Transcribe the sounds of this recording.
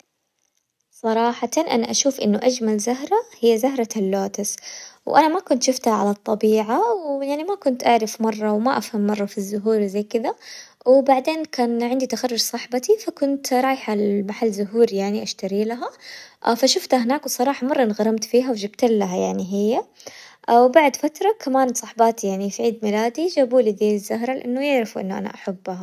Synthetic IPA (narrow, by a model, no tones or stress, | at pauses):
sˤɑɾˤɑːħɑt̪ɑnʔa̰naʔaʃuːfʔɪnːʊʔad͡ʒmalzaɦɾˤahɪjːazaɦɾˤɑalːoːt̪ɪswʔanamakʊnt̪ʃʊft̪haʕa̰lat̪ˤːɑbiːʕawjaʕnimakʊnt̪ʔaʕɾɪfmɑrˤːɑwmaʔafhamːɑrˤːɑfizːʊɦuːɾwzajkɪd̪a | wɪbaʕd̪eːnkaːnʕɪnd̪it̪axarˤːʊɾsˤɑħbat̪ifakʊnt̪ɾˤɑːjħalmaħalːzʊɦuːɾjaʕniʔaʃt̪aɾilaɦafaʃʊft̪aɦɪnaːkwsˤɑɾˤɑːħɑmɑrˤːɑʔɪnɣɑɾˤɑmt̪fiːɦawd͡ʒɪbt̪alːaɦajaʕniɦɪjːaʔwbaʕd̪fat̪ɾˤɑkʰamaːnsˤɑħbaːt̪ijaʕnifiʕiːd̪mɪlaːd̪id͡ʒaːbuːlid̪iːɪzːaɦɾˤɑlɪʔanːʊjɪʕɾɪfʔɪ̰nːʔa̰na̰ʔaħabːha